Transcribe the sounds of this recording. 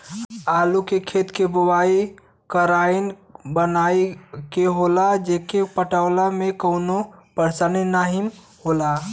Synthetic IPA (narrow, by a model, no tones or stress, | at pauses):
aːlukekʰet̪kebʊwai | kəɾainbənaikeɦolad͡ʒekepəʈawlamẽkəʊnopəɾsaninaɦim | hola